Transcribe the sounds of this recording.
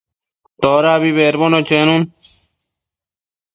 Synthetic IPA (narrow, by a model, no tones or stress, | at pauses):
t̪oːɾaːbiβeːɾbonot͡ɕenun